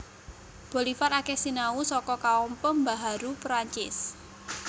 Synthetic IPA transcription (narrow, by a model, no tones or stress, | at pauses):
b̥o̤lifaɾakɛhsinausɔkɔkaɔmpəmbaɦaɾupɾaɲt͡ʃɪ̰s